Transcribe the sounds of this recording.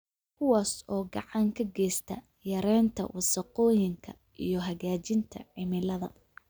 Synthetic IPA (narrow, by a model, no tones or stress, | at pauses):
kʰʊwaːsɔːɡɑʕɑŋkʰɐɡɛːst̪ʰɐ | jɐɾɛːnt̪ʰɐ̰wʔɑsɐqɔːjɪŋkʰɐ | ʔḭjɞɦɐɣaːt͡ʃɪnt̪ʰɐ̰ʕɪmɪlɐðɐ